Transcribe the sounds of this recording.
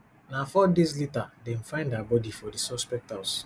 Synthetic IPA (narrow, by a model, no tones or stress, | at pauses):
nafɔdezlitadɛ̃n̩fãɪ̃ndabɔdifɔdisɔspɛk̚taʊs